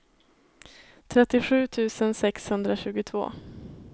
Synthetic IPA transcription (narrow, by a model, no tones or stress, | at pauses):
t̪ʰɾɛt̪ːɪɧʉ̟ːt̪ʰʉ̟ːsənsɛkshɵnd̪ɾaɕʉ̟ːɡʊt̪ʰv̥o̰ː